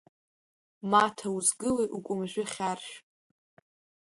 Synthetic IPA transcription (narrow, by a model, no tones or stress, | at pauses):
matʰauzɡɨlejʔukʷʼʊmʒʷᶣʏχʲarʃᶣ